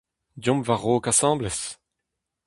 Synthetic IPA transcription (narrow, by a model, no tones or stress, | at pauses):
djɔ̃mvaʁoːkasɑ̃ːblɛs